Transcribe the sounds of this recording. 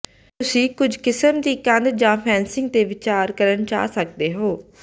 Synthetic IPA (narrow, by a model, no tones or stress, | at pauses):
t̪ʊsĩːkʊd͡ʒkɪsəmd̪iːkənd̪d͡ʒãːpʰɛːnsɪ̃ŋɡ̚t̪eːʋɪt͡ʃaːɾkəɾənt͡ʃa̰ːsək̚d̪eːɦoː